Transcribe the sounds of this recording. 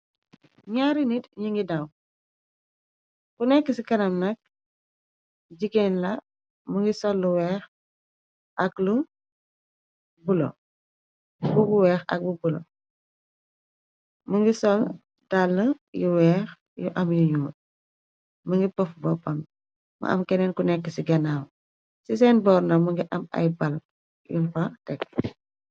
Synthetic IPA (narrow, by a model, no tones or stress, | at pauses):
ɲaɾinitɲiŋɡidaw | kunɛkːəsikɐnɐmnɐk̚ | ɟikɛnlɐ | muŋɡisɔlːuwɛːx | ʔɐklu | bulɔ̰ | buɡuwɛːxɐ̰k̚bubulɔ̰ | muŋɡisɔl | dalːəjuwɛːx | juʔɐmjuɲuːt̚ | məŋɡipɔfbɔpɐm | mɐ̰ʔɐ̰mkɛnɛnkunɛkːəsiɡɐnaw | sisɛnbɔːrnɐmuŋɡiʔɐmɐ̰jbɐl | junfɐtɛkː